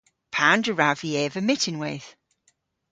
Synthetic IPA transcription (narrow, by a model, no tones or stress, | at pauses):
pʰandəɹaviɛvəmɪtʰɪ̃nweːθ